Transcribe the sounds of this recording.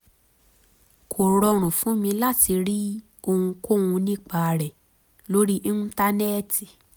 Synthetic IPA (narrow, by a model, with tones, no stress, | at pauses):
kʰo˨ɾɔ˧ɾ̃ũ˨fũ˨˦mĩ˧la˦˨ti˨˧ɾi˦ | o˧hũ˧ko˦˨wũ˧nĩ˦k͡pa˧ɾɛ˨ | lo˦ɾi˦ʔĩ˦nũ˦ta˧nɛ˦˨ti˨